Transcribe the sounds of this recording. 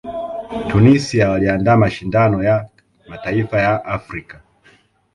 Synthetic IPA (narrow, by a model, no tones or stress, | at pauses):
tunisiawaliandaːmaʃindanɔja | mataifajaʔafɾika